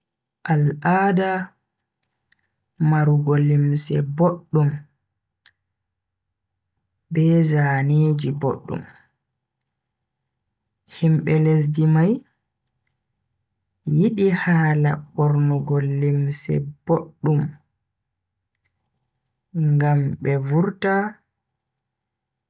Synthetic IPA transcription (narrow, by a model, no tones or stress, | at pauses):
ʔalʔaːda | maɾuɡolimsɛboɗːum | bɛzaːneːd͡ʒibo̰ɗːṵm | himɓɛles̬dimaj | jiɗihaːlaɓɔɾnɔɡolːimsɛ̰b̥oɗːum | ŋɡambɛvuɾta